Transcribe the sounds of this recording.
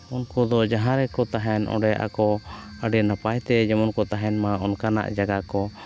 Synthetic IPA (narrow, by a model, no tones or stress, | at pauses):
unkɔd̪ɔd͡ʒaɦãɾɛkɔt̪aɦɛnʔɔ̰̃ɖɛjʔa̰kɔəɖɛnapajt̪ɛd͡ʒɛmɔnkɔt̪aɦɛnmaʔɔnkana̰ʔd͡ʒaɡakɔ